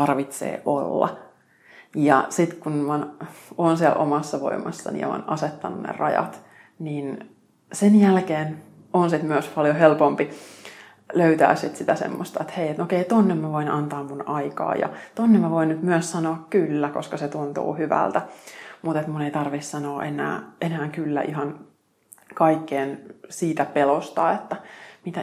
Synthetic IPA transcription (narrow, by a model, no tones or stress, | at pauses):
ɑrʋit̪sḛːʔo̰lːɑ̰ | jɑsit̪kunɑnoːnsiɛlʔomɑsːɑʋo̰imɑsːɑ̰nḭo̰ːnɑset̪ːɑnunḛrɑjɑ̰t̪ | nin | senjælkeːn | ʔonsit̪myøspɑljohelpompi | løyt̪æ̰ːsit̪sit̪æsḛmːost̪ɑet̪heiet̪nokeit̪onːemmæʋoinʔɑnt̪ɑːmːunɑikɑ̰ːjɑ̰t̪onːemmæʋoinnyt̪myøssɑnoɑkkylːækoskɑset̪unt̪ṵːhyʋæ̰lt̪æmut̪et̪muneit̪ɑrʋissɑnoːʔenæ̰ːʔenæːŋkylːæ̰ʔiɦɑn | kɑikːeːnsiːt̪æpelost̪ɑet̪ːæmit̪æ